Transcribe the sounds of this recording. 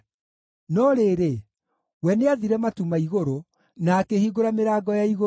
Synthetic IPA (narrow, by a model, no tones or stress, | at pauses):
nɔɾeːɾe | wɛneaðiɾɛmatumaiɣoɾo | naːkehiɡoɾameɾaːɡɔjaiɣo